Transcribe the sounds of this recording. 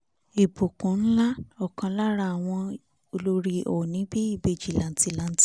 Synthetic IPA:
i˨bo˨kũ˨n̩˦la˦ɔ˨kã˧la˦ɾa˦a˨w̃ɔ̃˧ | o˧lo˦ɾi˧ʔo˨nĩ˨˦bi˦i˦˨be˧˨d͡ʒi˨lã˨n̩˦ti˨˦˨la˨˦n̩˦ti˦

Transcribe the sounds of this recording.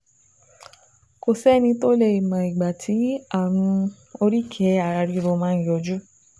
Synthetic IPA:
ko˨sɛ˦nĩ˧to˦le˧i˨mã˨i˨ɡ͡ba˨tʰi˨˦a˦˨mũ˧ | o˧ɾi˦kʰɛ˨˦a˨ɾa˧ɾi˨˧˦ɾo˧mãː˦jɔ˧d͡ʒu˦

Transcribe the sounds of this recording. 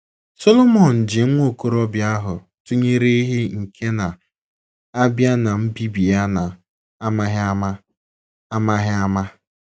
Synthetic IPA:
so˦lo˦mɔ˨n̩˨d͡ʒɪ˨ŋ̩˦ŋʷo˦˨ko˦ɾɔ˦bja˦ɦʊ˨ | tu˦ɲe˦ɾe˦i˦ɦe˦ŋ̩˨kʰe˦na˨ | a˦bja˦na˨m̩˦bi˦bi˨a˦na˨ | a˦ma˦ɦm˦ | a˦ma˦ɦɪ˦a˦ma˦

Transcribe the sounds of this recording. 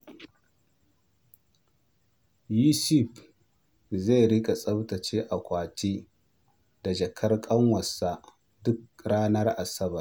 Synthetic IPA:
ju˦si˦˨ɸ | za˦˨jɾɪ˦kʼa˨sʼɐ˦btɐ˨t͡ʃeː˦ʔa˨kʷaː˨t͡ʃʼiː˦ | da˨d͡ʒɐ˨kʰɐ˦rkʼɐ˦ŋwɐ˨sːa˨ | dʊ˦k̚ɽaː˦nɐ˦rʔa˨sɐ˦bɐ˨r

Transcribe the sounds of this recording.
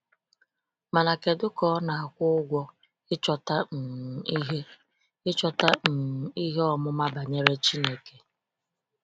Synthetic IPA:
ma˨na˨ke˨dʊ˦kɔ˦na˨a˨kʷʊ˦ʊ˦ɡʷɔ˦ | ɪ˦t͡ʃɔ˨ta˦n̩˨m̩˨i˦ɦe˦ | ɪ˦t͡ʃɔ˦ta˦n̩˨i˦ɦe˦ɔ˦mʊ˦ma˦ba˨ɲe˦ɾe˦t͡ʃi˦ne˨ke˨

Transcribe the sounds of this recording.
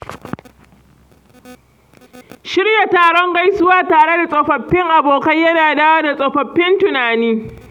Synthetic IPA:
ʃɪ˦ɽja˨taː˨ɽɔ˦ŋɡa˦jsʊ˦waː˦taː˨ɽe˦da˨sʼɔ˨ɸɐ˨ɸːɪ˦ŋʔa˨boː˨kɐ˦ɲjɐ˦naː˨daː˦waː˦da˨sʼɔ˨ɸɐ˨ɸːɪ˦ntʊ˨naː˨niː˦

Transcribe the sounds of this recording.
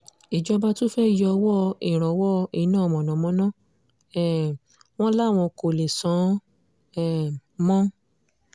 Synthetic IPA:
i˨d͡ʒɔ˧ba˧to˦fɛ˦i˦˨jɔ˧wɔ˦˧e˨ɾ̃ã˨˧˦wɔ˦˧e˦˨˦nãː˦˨˧mɔ̃˨nã˨˦mɔ̃˨˦nã˦˨ | ɛ˨ | w̃ɔ̃˦la˦˨w̃ɔ̃˧ko˨le˨sã˨˦ | ɛ˦˨mɔ̃˦

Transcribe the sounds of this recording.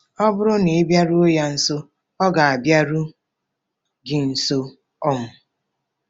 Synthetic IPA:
ɔ˦bʊ˦ɾʊ˦ne˨ɪ˦bja˦ɾu˦o˦ja˦n̩˨so˦ | ɔ˦ɡa˨a˨bja˦ɾu˦ | ɡɪ˨n̩˨so˦ | ɔ˦mʊ˨

